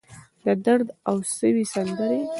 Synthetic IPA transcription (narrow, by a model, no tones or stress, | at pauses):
d̪əd̪aɾd̪awsəwisand̪əɾe